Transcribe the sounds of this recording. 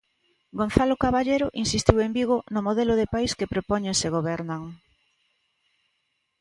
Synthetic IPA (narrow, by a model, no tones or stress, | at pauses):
ɡonθalokaβaʎejɾʊʔinsist̪iwembiɣonʊmoðeloðepajskepɾopɔɲẽŋseɣ̞oβɛɾnaŋ